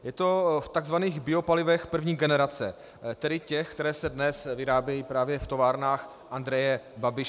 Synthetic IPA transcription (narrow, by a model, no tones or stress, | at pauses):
jɛt̪o̞ft̪aɡzvaniːɣbɪo̞palɪvɛxpr̩vɲiːɡɛnɛɾat͡sɛ | t̪ɛdɪcɛxkt̪ɛɾɛːsɛdnɛsvɪɾaːbjɛjiːpɾaːvjɛft̪o̞vaːɾnaːx | ʔand̪ɾɛjɛbabɪʃ